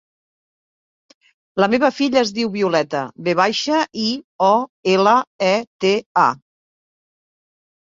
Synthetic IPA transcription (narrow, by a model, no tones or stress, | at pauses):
ləmeβ̞əfiʎəːzðiwβiulɛt̪ə̰βeβajʃəʔiɔeləɛt̪ea̰